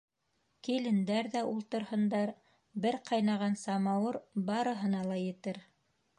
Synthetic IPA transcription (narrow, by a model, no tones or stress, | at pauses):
kilɘ̆nd̪æɾðæʔulˠt̪ɤ̆ɾhɤ̆nd̪ɑɾ | bɘɾqɑjnɑʁɑnsɑmɑwɤɾbɑɾɤ̆ɦɤ̆nɑlˠɑjɘ̆t̪ɘɾ